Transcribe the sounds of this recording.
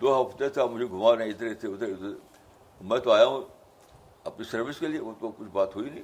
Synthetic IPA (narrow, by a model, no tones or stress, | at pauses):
d̪oːɦɐft̪et̪ʰamʊd͡ʒʱeɡʱʊmanãɪd̪əɾɪt̪ʰeʊt̪t̪ | mɛ̃ːt̪oaːjaɦũ | ɐpnisɐɾʋɪskelieot̪okʊt͡ʃʰbaːt̪ɦoinĩ